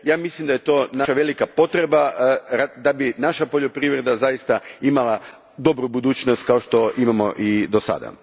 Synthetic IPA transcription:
jaːmislimd̪aje̞t̪o̞ːnaaʋe̞likapo̞t̪ɾe̞baɾad̪abinaʃapo̞ʎopɾiʋɾe̞d̪azajist̪aimalˠa | d̪o̞bɾubud̪uːt͡ɕnost̪̚kao̞ʃt̪o̞ʔimamo̞ʔid̪osa̰d̪a̰

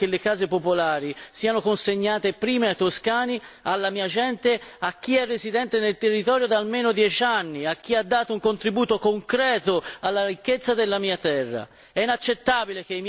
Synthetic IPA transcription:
kelːekaːzepopolaːɾisiːanokonseɲːaːt̪epɾiːmeat̪ːoskaːnialːamiːad͡ʒɛnt̪eak̟ːiɛrːezid̪ɛnt̪enelt̪erːit̪ɔːɾjod̪aːlmeːnod̪jɛt͡ʃanːiak̟ːiad̪ːaːt̪ouŋkont̪ɾibuːt̪okoŋkɾɛːt̪oalːaɾikːet̪sːad̪elːamiːat̪ɛrːa̰ | ɛinat͡ʃːet̪ːaːbilek̟eim

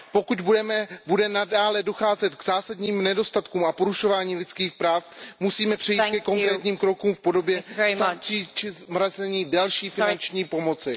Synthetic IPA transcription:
po̞kut̪bɛmɛbudɛnadaːlɛdo̞xaːzɛt̪ɡzaːsadɲiːmnɛdo̞st̪at̪kuːmapo̞ɾuʃo̞vaːɲiːlɪt͡skiːxpɾaːfmusiːmɛpr̥ɛjikɛko̞ŋkɾɛːt̪ɲiːmkɾo̞kumfpo̞do̞bjɛzat͡ʃiːt͡ʃɪzmɾazɛɲiːdalʃiːfɪnant͡ʃɲiːpo̞mo̞t͡sɪ

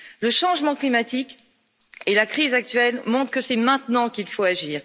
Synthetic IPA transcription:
ləʃɑ̃ʒmɑ̃klimat̪ik | elakχizak̚t̪ɥɛlmɔ̃t̪χkəsɛmɛ̃t̪nɑ̃kilfoaʒiːʁ

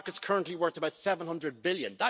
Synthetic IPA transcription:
kətskʰɜ˞ə̃nʔliwɜ˞k̚təbaʊtsɛvə̃n̩hʌ̃ndɹəd̚bɪljə̰̃nðə

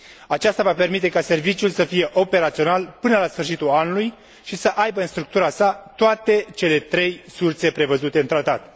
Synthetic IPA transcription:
at͡ʃast̪avape̞rmit̪e̞kase̞rvit͡ʃiulsəfije̞ʔo̞pe̞ɾat̪sio̞nalpɨnəlasfɨrʃit̪ulanuluj | ʃisəʔajbəɨnst̪ɾuk̚t̪uɾasat̪oat̪e̞t͡ʃe̞le̞t̪ɾe̞jsurse̞pɾe̞vəzut̪e̞ɨnt̪ɾat̪at̪

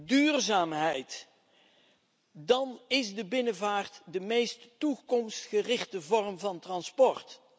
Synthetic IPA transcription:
dyːrzaːmɦɛjt | dɑnɪzdəbɪnəvaːrtdəmejstːukɔmstχərɪχtəvɔrmvɑntrɑnspɔrt

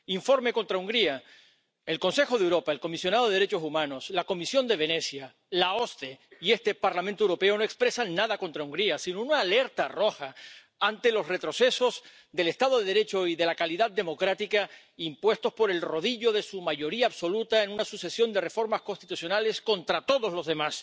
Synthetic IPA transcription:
iɱfo̞ɾme̞ko̞nt̪ɾauŋɡɾia | e̞lkõ̞nsexo̞ð̞ewɾo̞pae̞lko̞misjo̞naðo̞ðeɾe̞t͡ʃo̞sumãno̞slako̞misjo̞nd̪e̞β̞e̞ne̞sja | lao̞st̪e̞ie̞st̪e̞paɾlamẽnt̪owɾope̞o̞no̞ekspɾe̞sanːaðako̞nt̪ɾauŋɡɾiasinounaːle̞ɾt̪aro̞xa | ant̪e̞lo̞sre̞t̪ɾo̞se̞so̞z | ðe̞le̞st̪að̞oðe̞ðɾe̞t͡ʃo̞iðe̞lakaliðad̪̚d̪e̞mo̞kɾat̪ika | impwe̞st̪o̞spo̞ɾe̞lro̞ðiʝo̞ðe̞sumaʝo̞ɾiaːβso̞lut̪ae̞nũnasuse̞sjo̞nd̪e̞re̞fo̞ɾmasko̞nst̪it̪usjo̞nale̞sko̞nt̪ɾat̪o̞ðozlo̞zðe̞mas

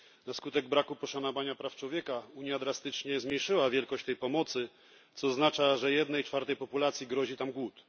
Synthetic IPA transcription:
naskut̪ɛɡ̚bɾakupɔʂanɔvaɲapɾaft͡ʂwɔvʲjɛkauɲjad̪ɾast̪ɘt͡ʂɲɛzmɲejʂɘwavʲjɛlkɔɕt͡ɕt̪ɛjpɔmɔt̪sɘ | t̪sɔznat͡ʂaʐɛjɛd̪nɛjt͡ʂfaɾt̪ɛjpɔpulat̪sʲjiɡɾɔʑit̪amɡwut̪

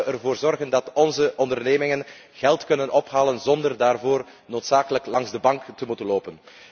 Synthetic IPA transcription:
ərvoːrzɔrɣəndɑtɔnzəʔɔndərneːmɪŋən | ɣɛlˠtkɵnənʔɔpɦaːlənzɔndərdaːrvoːr | noːtsaːkələklɑŋzdəbɑŋktəmutənloːpən

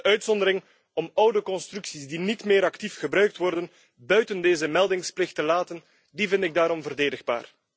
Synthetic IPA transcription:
œɥtsɔndəɾɪŋ | ɔmɔwdəkɔnstrʉksizdinitmeːɾɑktifxəbɾœɥk̚tʋɔrdən | bœɥtəndeːzəmɛlˠdɪŋsplɪxtəlaːtən | divɪntɪɡ̚daːɾɔmvərdeːdəɣba̰ːr

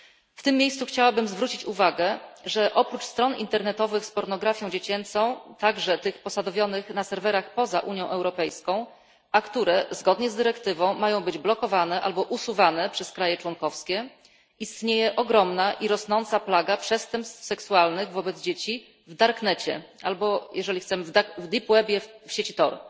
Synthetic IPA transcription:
ft̪ɘmːʲjejssuxt͡ɕawabɘmzvɾut͡ɕit͡ɕuvaɡɛʐɛʔɔpɾut͡ʂst̪ɾɔnḭnt̪ɛɾnɛt̪ɔvɘxspɔɾnɔɡɾafʲjɔ̃w̃d͡ʑet͡ɕɛnt̪sɔ̃w̃t̪aɡʐɛt̪ɘxpɔsad̪ɔvʲjɔnɘxnasɛɾvɛɾaxpɔzaʔuɲjɔ̃w̃ʔɛwɾɔpɛjskɔ̃w̃ | akt̪uɾɛzɡɔd̪ɲɛzd̪ɘɾɛkt̪ɘvɔ̃w̃majɔ̃w̃bɘd͡ʑblɔkɔvanɛʔalbɔʔusuvanɛpʂɛskɾajɛt͡ʂwɔŋkɔfskʲɛ | ist̪ɲejɛʔɔɡɾɔmnaʔiɾɔsnɔnt̪saplaɡapʂɛst̪ɛmpst̪fsɛksualnɘɣvɔbɛd̪zd͡ʑet͡ɕi | vd̪aɾknɛt͡ɕɛ̰albɔjɛʐɛlʲixt̪sɛmɘvd̪avd̪ipwɛbʲjɛfɕet͡ɕit̪ɔɾ

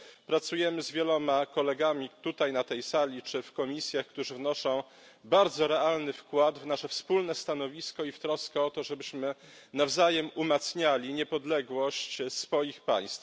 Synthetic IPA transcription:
pɾat̪sujɛmɘzvʲjɛlɔmakɔlɛɡamʲit̪ut̪ajnat̪ɛjsalʲit͡ʂɘfkɔmʲisʲjaxkt̪uʐɘvnɔʂɔ̃w̃ | baɾd̪zɔɾɛalnɘfkwad̪vnaʂɛfspulnɛst̪an̪ɔvʲiskɔift̪ɾɔskɛɔt̪ɔʐɛbɘɕmɘ | navzajɛmumat̪sɲalʲiɲɛpɔd̪lɛɡwɔɕt͡ɕsfɔjixpa̰j̃st̪f

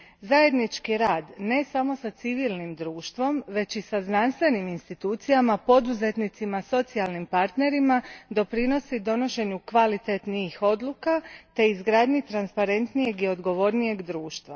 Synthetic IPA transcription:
zaje̞d̪nit͡ʃkiɾaːd̪ne̞samo̞sat̪siʋilˠnimd̪ɾuːʃt̪ʋo̞mʋe̞t͡ɕisaznanst̪ʋe̞niminst̪it̪uːt̪sijamapo̞d̪uze̞t̪nit̪simaso̞t̪sialnimpaɾt̪ne̞ɾimad̪o̞pɾino̞sid̪o̞no̞ʃe̞ɲukʋalit̪et̪niːxo̞d̪lukat̪e̞izɡɾad̪ɲit̪ɾanspaɾe̞nt̪nije̞ɡio̞d̪ɡo̞ʋo̞ɾnije̞ɡd̪ɾuːʃt̪ʋa̰

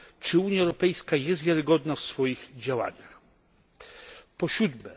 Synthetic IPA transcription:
t͡ʂɘuɲjaɛwɾɔpɛjskajɛst̪vʲjaɾɘɡɔd̪nafsfɔjiɣd͡ʑawa̰ɲax | pɔɕud̪mɛ̰

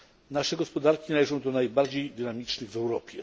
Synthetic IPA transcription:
naʂɛɡɔspɔd̪aɾkʲinalɛʐɔ̃w̃d̪ɔnajbaɾd͡ʑejd̪ɘnamʲit͡ʂnɘɣvɛwɾɔpʲjɛ

